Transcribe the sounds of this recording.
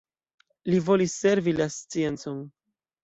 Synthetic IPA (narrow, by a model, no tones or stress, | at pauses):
livo̞lisːe̞ɾvilast͡sie̞nt͡son